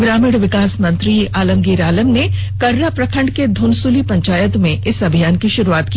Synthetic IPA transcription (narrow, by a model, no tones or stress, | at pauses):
ɡɾaːmɪɽʋɪkaːsmɐ̃nt̪ɾiaːlə̃ŋɡiːɾaːləmne | kɐɾːapɾɐkʰə̃ɳɖked̪ʱuːnsulipɐ̃ɲt͡ʃaːjət̪mẽʔɪsɐbʱijaːnkiʃʊɾuaːt̪̚ki